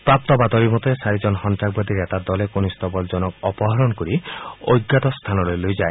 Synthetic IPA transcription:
pɾap̚t̪ɔbad̪ɔɾimɔt̪esaɾid͡ʒɔnɔɦɔnt̪ɾaɡ̚bɔd̪iɾet̪aɾd̪ɔlekonist̪ɔbɔld͡ʒɔnɔk̚ɔpɔɦaɾɔnkɔɾio̰jɡːat̪ɔst̪ʰanɔlojlojd͡ʒae

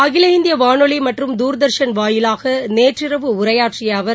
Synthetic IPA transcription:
ɐɣɪlɐɪnd̪ɪjɐʋaːɳɔɭimɐʈrɯmd̪uːɾd̪ɐɾʂɐnʋaːjɪlaːɣɐneːʈrɪrɐʋɯʊɾɐjaːʈrɪjaːʋɐɾ

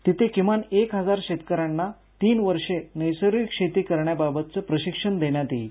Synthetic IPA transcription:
t̪it̪ʰekimanekɦəd͡zaɾɕet̪kəɾanːa | t̪iːnʋəɾʂenəjsəɾikɕet̪iːkəɾɳjababət̪̚t͡səpɾəɕikʂəɳd̪eɳjat̪iː

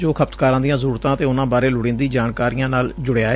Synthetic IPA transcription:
d͡ʒoːkʰəpt̪kaːɾãnd̪ijãːzəɾuːɾt̪ãːət̪eːʊnãːbaːɾeːlʊɽẽːnd̪iːd͡ʒaːɳkaːɾijãːnaːld͡ʒʊɽeaːe

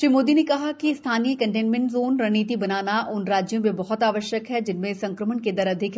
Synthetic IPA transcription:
ʃɾiːmoːd̪inekɐɦakist̪ʰaːniəkɐ̃ɳʈeːnmɛ̃ɳʈzoːnɾɐɦniːt̪ibɐnaːnaʔʊnɾaːd͡ʒjõmẽbɔɦɔt̪aːʋəʃjəkɦɛd͡ʒɪnmẽsɐ̃ŋkɾəmənked̪ɐɾɐd̪ʱɪk

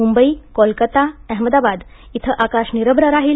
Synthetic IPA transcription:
umbəikɔlkət̪aɛɦməd̪abad̪ | it̪ʰəʔakaɕniɾəbɾəɾaɦiːl

